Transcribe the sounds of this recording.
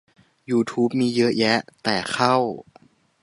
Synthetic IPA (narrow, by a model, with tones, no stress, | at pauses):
juː˧t̪ʰuː˦˥p̚miː˧jɤ˦˥ʔjɛ˦˥ʔt̪ɛː˨˩xʰa˥˩w